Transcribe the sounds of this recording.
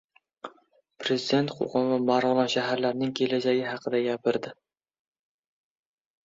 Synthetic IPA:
pʰɾezid̪e̞nt̪qʰo̰qʰɑmvamaɾʁlˠɑnʃaɦaɾlaɾnɪŋkʲʰe̞lad͡ʒaɡʲɪɦɑqʰɨd̪aɡʲapʰɪɾd̪ɪ

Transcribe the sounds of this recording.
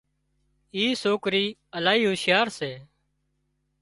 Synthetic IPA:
iːsoːkɾiːəlaːiːɦʊʃɪjaːɾseː

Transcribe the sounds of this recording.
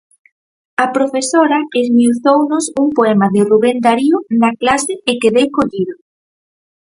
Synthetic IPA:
ɐpɾofesoɾɐezmjuθownʊsuŋpoɛmɐðɪruβɛnd̪aɾiʊnɐklasɪekeðejkoʎiðʊ

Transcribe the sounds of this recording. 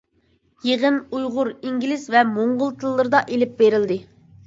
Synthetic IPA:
jeʁənujʁʊɾiŋɡʲilɪzvɛmoɴʁʊlˠt̪ʰɨlˠːɨɾɨd̪ɑʔelɪp̚beɾɪld̪ɪ

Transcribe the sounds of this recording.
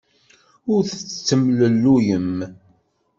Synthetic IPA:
ʊɾθət͡st͡sːəmləlːujəm

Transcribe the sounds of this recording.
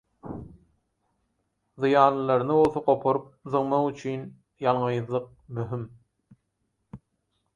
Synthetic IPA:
ðɯjɑːnlˠɯlˠɑɾɯnɯbo̞lˠθɑqo̞pʰoɾup̚ðɯŋmɑʁyt͡ʃʰyn | jɑlˠɴɯjðlˠɯq̚myɦym

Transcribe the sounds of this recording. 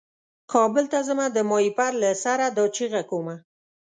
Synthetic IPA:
kʰɑbəlt̪azəmad̪əmɑipaɾlasaɾad̪ɑt͡ʃiɣakoma

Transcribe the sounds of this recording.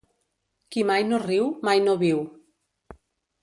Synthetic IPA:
kimajnoriwmajnoβiw

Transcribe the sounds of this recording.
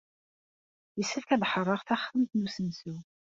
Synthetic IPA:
jəsːəfkæðħərˤːɑʁθæχθəmt̪nusənsu

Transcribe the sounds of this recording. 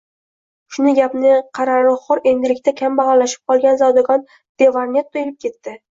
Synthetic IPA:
ʃʊnɪɡʲapnɪqʰɑɾaɾɪχɒɾe̞nd̪ɪlɪkʲt̪akʲʰambɑʁalaʃɪ̥p̚qʰɒlˠɡʲanzawd̪aɡɒn | d̪̥e̞vaɾnet̪ːʰojɪlɪp̚kʲe̞t̪ːɪ

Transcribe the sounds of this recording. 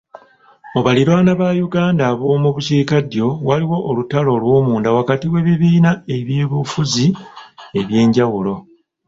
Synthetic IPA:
oβaliɾwaːnaβajuɡaːndaβo̞ːmuβuciːkadjo̞waliwo̞ʔːlutalo̞ːlwo̞ːmuːndawakatiwe̞βiβiːnae̞βjeːβufuzie̞βje̞ːɲɟawulo̞

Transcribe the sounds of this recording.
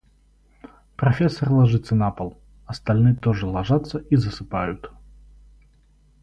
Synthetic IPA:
pɾɐfʲesːɐrlˠɐʐɨt̪sːənapəlˠ | ɐst̪ɐlʲnɨjt̪oʐɨlˠɐʐat̪sːəizəsɨpajʊt̪

